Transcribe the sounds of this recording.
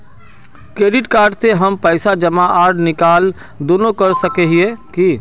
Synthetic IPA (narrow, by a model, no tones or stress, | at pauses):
kɾeːɖɪʈkaːɾɖseɦəmpəɪsad͡ʒəmaʔaːɾɖnɪkaːl | d̪oːnokəɾsəkeɦieki